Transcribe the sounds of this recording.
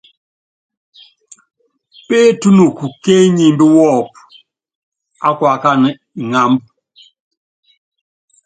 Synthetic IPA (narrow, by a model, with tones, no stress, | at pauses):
peː˦tu˦nu˨ku˨ke˦ɲi˨mbi˦wɔː˦˨p̚ | a̰˦kwa˨ka˦n˨ŋa˨mb